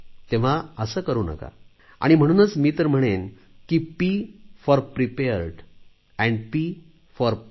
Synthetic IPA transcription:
t̪ẽʋ̤aəsəːkəɾuːna̰ka̰ | a̰ɽ̃im̤əɽ̃uːnət͡smiːt̪əɾm̤əɽ̃en | kipifɔɾpɾipeəɾɖ | ɛ̃ɳɖpiː | fɔɾ

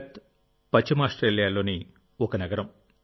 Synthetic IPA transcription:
t̪ | pɐt͡ʃːimaːsʈɾeːljaːlo̞ːni | okɐnɐɡɐɾɐm

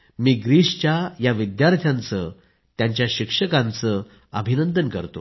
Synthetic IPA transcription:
miːɡɾiʂt͡ɕjajaʋid̪jaɾt̪ʰjant͡sə | t̪jaɲt͡ɕjaɕikʂəkãnt͡sə | əbʱinənd̪ənkəɾt̪o̰

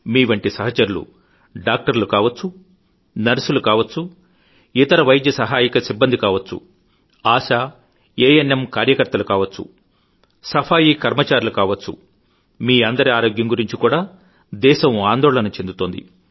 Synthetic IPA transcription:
miːʋɐɳʈisɐɦɐt͡ʃɐɾulṵ | ɖaːk̚ʈɐɾlukaːʋɐt͡sːu | nɐɾsulukaːʋɐt͡sːu | it̪ɐɾɐʋɐjd̪jɐsɐɦaːjikɐsibːɐnd̪ikaːʋɐt͡sːṵ | aːʃaː | eːenemkaːɾjɐkɐɾt̪ɐlukaːʋɐt͡sːṵ | sɐpʰaːjikɐɾmɐt͡ʃaːɾulukaːʋɐt͡ʃt͡sːṵ | miːɐnd̪ɐɾiaːɾo̞ːɡjɐŋɡuɾiɲt͡ʃikuːɽaː | d̪ɛːʃɐmaːnd̪ɔːɭɐnɐt͡ʃe̞nd̪ut̪oːnd̪ḭ

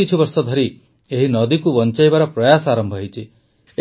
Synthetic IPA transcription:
it͡ʃʰɔbɔɾsɔd̪ʱɔɾi | eɦinɔd̪ikubɔnt͡ʃajbaɾɔpɾɔjasɔaɾɔmbʱɔɦit͡ʃʰi | e

